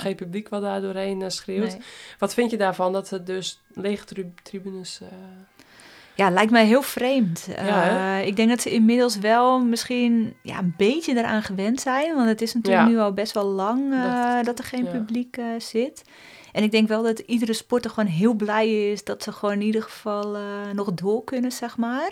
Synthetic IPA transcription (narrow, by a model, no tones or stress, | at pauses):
xeːnpyblikʋɔt̚daːdʊəreːnsxrɪətʋɔtfɪntjədaːfɔndɔtədøs | leɣətribynəs | jalɛjk̚tmɛjɦɪəlˠfreːmtəɪk̚dɛŋk̚dɔtsəɪnmɪdəlˠsʋɛlˠmɪskiənja̰ənbeːtjədəɾa̰ːnxəʋɛntsɛjnʋɔntətɪsnatyːlknyɔlˠbɛstʋɔlˠlɑŋdɔtərxeːnpybliksɪt | ʔɛnɪɡ̚dɛŋkʋɛlˠdɔtidərəspɔtəxʋoːnɦɪəlˠblɛjɪsdɔtsəxʋoːnɪnidəxəfɔlˠnɔxdoəlˠkønəsɛxmaːr